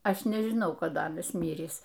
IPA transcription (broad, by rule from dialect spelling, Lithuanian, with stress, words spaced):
ˈɐʃ nʲɛʒʲɪˈnɐʊ kɐˈdɐ ˈɑːnɐs ˈmʲiːrʲiːs